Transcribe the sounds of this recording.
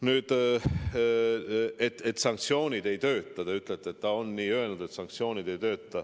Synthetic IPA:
nyːd̪̥ | et̪ːet̪ːsɑŋkt̪sio̞ːnʲid̪̥e̞jt̪ø̞ːt̪ːˑɑt̪eyt̪ˑlet̪ːet̪ːɑo̞nːiːø̞elnud̪e̞t̪sɑŋk̚t̪sijo̞ːnʲid̪e̞jt̪ø̞ːt̪ːɑ

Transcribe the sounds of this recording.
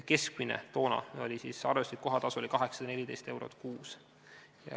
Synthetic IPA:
ke̞skminḛt̪o̞ːnɑ̰o̞̰lʲisiːsɑrvest̪it̪̚ko̞ɦɑt̪ɑsuolʲikɑɦe̞ksɑ̥d̪ɑne̞lʲid̪e̞jst̪e̞wɾo̞̰t̪ˑkuːs | jɑ̰

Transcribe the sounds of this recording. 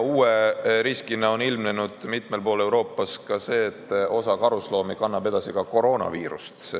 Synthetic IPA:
uːeɾiskinːɑo̞nilmnenud̪̥mit̪ˑme̞lpo̞ːle̞wɾo̞ːpːˑɑskɑse̞ːt̪ːˑo̞sɑkɑɾuslo̞ːmikɑnːɑb̥e̞d̪̥ɑsikɑko̞ɾo̞ːnɑ̰viːɾṵst̪

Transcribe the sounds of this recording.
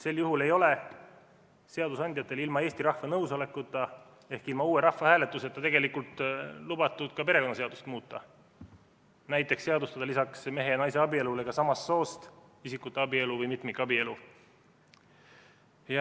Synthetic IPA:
se̞lːjuɦule̞jo̞le̞ | se̞ɑd̪usɑnʲd̪jɑt̪ːˑe̞lilmɑe̞ːst̪iɾɑhvɑnɤwso̞le̞kːˑut̪ːˑɑ | e̞hkilmɑuːeɾɑhvɑhæːle̞t̪ːˑuse̞t̪ːˑɑt̪e̞ɡe̞likult̪ˑlubɑt̪ːˑud̪̥kɑpe̞ɾe̞ko̞nɑse̞ɑd̪̥u̥st̪muːt̪ːˑɑ | næjt̪ːˑe̞ksːe̞ɑd̪ust̪ɑd̪̥ɑlisɑksme̞ɦe̞jɑnɑjse̞ɑbie̞lule̞ɡ̥ɑsɑmɑsːo̞ːst̪ | isikːˑut̪ːˑeɑbie̞luvɤjmit̪mikːˑɑbie̞lu | jɑ

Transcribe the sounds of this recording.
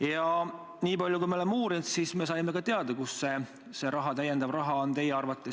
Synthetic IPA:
jɑ | niːpɑlʲjoukujmeolemːeuːɾint̪sisme̞ːs̬ɑjme̞kɑt̪eɑd̪ɑkusse̞ | se̞ɾɑɦɑt̪æjend̪̥ɑvrɑɦɑont̪e̞jeɑrvɑt̪ːˑe̞

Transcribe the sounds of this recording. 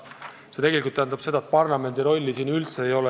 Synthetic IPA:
se̞t̪e̞ɡelikult̪ːæˑnd̪ɑb̥se̞d̪ɑet̪̚pɑrlɑme̞nd̪iɾo̞lʲːisiːnylt̪se̞ːjo̞le

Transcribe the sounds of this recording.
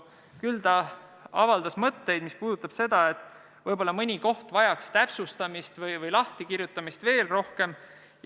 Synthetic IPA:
kylt̪ɑ | ɑ̰vɑld̪ɑsmɤt̪ːe̞jd̪mispuːd̪ut̪ːˑɑb̥se̞d̪̥ɑe̞t̪ːˑ | vɤjbo̞lːɑmɤnʲiko̞ht̪vɑjɑkst̪æpsust̪ɑmist̪vɯjvɤjlɑht̪ikirjut̪ːˑɑmist̪ve̞ːlro̞hke̞m | j

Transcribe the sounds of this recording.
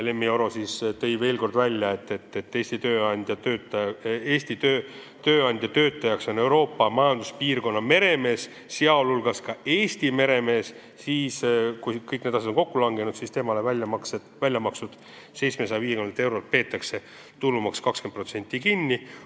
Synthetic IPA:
le̞mːio̞ɾo̞sist̪e̞jve̞ːlko̞rd̪vælʲjɑe̞t̪ːˑet̪ːet̪ːeːsʲt̪it̪øːɑnʲd̪̥ʲjɑt̪øːt̪ːɑeːsʲt̪it̪ø | t̪øːɑnʲd̪̥ʲjɑt̪ø̞ːt̪ːˑɑjɑkso̞ne̞wɾo̞ːpːɑmɑjɑnd̪̥uspiːrɡo̞nːɑme̞ɾe̞me̞ːs | seɑlulɡ̥ɑskɑeːsʲt̪ime̞ɾe̞me̞ːs | siːskukɤjk̚ːne̞d̪ɑsed̪onko̞kːulɑŋɡe̞nud̪̥sist̪e̞ːmɑlevæɑkse | vælʲjɑmɑksud̪̥ | se̞jt̪smesɑjɑviːekymnt̪e̞wɾo̞lt̪̚pe̞ːt̪ːˑɑkse̞ | t̪ulːumɑkskɑksken̚pro̞t̪se̞nʲt̪ːˑikinʲːi

